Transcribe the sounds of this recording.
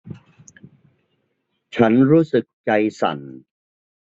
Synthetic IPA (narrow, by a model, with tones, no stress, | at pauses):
t͡ɕʰa˦˥nɾuː˦˥sɯ˨˩k̚t͡ɕa˧jsa̰˨˩n